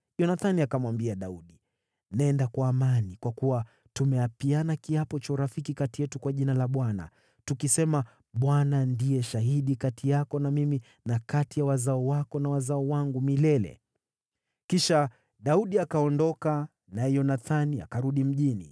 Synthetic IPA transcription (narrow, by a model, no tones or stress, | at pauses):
jɔnaθaniakamwambiaɗauɗi | nɛndakwaːmanikwakuwa | tumɛapianakiapɔt͡ʃauɾafikikatijɛtukwaʄinalaɓwana̰ | tukisɛma | ɓwanandijɛʃaɦiɗikatijakɔnamimi | nakatijawazaɔwakɔnawazaɔwaŋɡumilɛlɛ̰ | kiʃa | ɗauɗiakaɔndɔka | naɛjɔnaθania̰kaɾuɗim̩ʄinḭ